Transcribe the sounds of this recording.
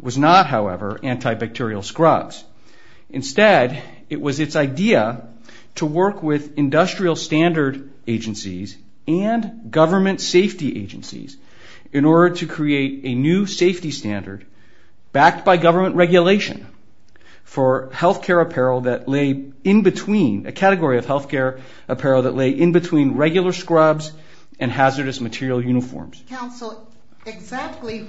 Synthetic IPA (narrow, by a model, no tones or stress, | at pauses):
wʌznət̚ɦaʊɛ̰və̰˞ʔæ̃ntʰaɪbæk̚tʰɪɹil̩ˠskɹʌbz̥ | ʔɨ̰̃nstɛɾ | ɨʔwʌzɨtsaɪdiə | ɾəwɜ˞kwɪðɨ̃ndʌstɹ̥il̩ˠstæ̃ndə˞ɾ | eɪd͡ʒɨ̃nsḭz | ɨ̃nɡʌvə˞mɨ̃ntseɪftiʔḛɪd͡ʒɨ̰̃nsḭz | ɨ̃nɔɹɾə˞ɾɨkʰɹ̥ieɪɾɨnʉseɪftistæ̃ndə̰˞d̚ | b̥æk̚t̚b̥aɪɡʌvə˞mə̃nʔɹɛɡjɨleɪʃɨ̰̃n | fə˞hɛlˠθkʰɛɹɨpʰɛɹl̩ˠðɨtˡleɪ | ɨ̃nbɨtʰw̥ĩnɨ̰kʰæɾɨɡɔɹiʌv̥hɛlˠθkʰɛɹ | ʔɨpʰɛɹl̩ˠðəʔleɪʔɨ̃nbɨtʰw̥ĩnɹɛɡjl̩ˠə˞skɹʌbz | ɨ̃nɦæzə˞ɾɨsmɨtʰɪɹil̩ˠjʉnɨfɔ̰ɹmz̥kʰãʊ̃nsl̩ˠ | ɪɡzæk̚tˡli